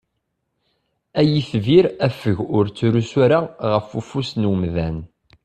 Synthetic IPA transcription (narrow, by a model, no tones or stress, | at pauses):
æjiθviɾæfəʝʊɾt͡sːɾusæɾaʁəfufusnwəmðæn